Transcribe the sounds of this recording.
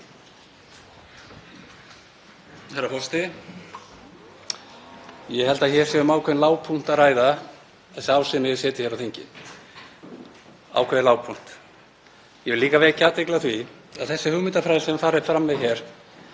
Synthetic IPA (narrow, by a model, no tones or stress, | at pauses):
hɛɾafɔst̪ɪ | jɛhɛlt̪aðçɛɾ̥sɛʏmaːwkʰɛðnlaːwpʰun̥t̪aðraːjða | θɛsːɪaːwsɪnajɛsjɛːt̪ɪçɛɾawθeɲcɪ̰ | a̰ːwkʰɛðɪnlaːwpʰun̥t̪ | jɛvɪliːkavɛːɣcat̪ejklaθvi | aðθɛsːɪhʏɣmɪt̪afɾajðɪsɛmafaːɾɪfɾamːɛðçɛɾ̥